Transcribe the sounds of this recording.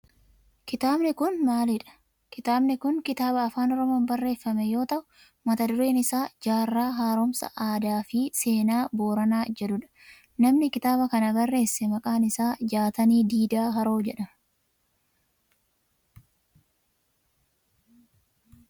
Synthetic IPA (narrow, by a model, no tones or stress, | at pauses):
kɪt̪aːbnɪkʊnmaːlɪᶑɐ̥ | kɪt̪aːbnɪkʊŋkɪt̪aːbɐːfaːnɔɾɔmo̞ːnbɐrːe̞ːfːɐmɛjo̞ːt̪ɐʔʊ | mɐt̪ɐd̪ʊɾe̞ːnɪsaːd͡ʒaːrːaːɦaːɾomsɐ̰ʔaːd̪aːfɪse̞ːnaːbo̞ːɾɐnaːd͡ʒɛd̪ʊᶑɐ̥ | nɐmnɪkɪt̪aːbɐkɐnɐbɐrːe̞ːsːɛmɐkʼaːnɪsaːd͡ʒaːt̪ɐniːd̪iːd̪aːɦɐɾo̞ːd͡ʒɛᶑɐ